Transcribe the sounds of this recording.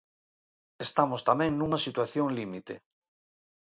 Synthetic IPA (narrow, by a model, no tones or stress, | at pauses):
est̪amost̪amɛ̃ŋnũŋɐsit̪waθjõŋlimit̪e